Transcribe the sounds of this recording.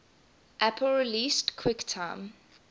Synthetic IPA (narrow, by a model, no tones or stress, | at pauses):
ʔapʰəlɹiliːstkʰw̥ɪktʰãɪ̃m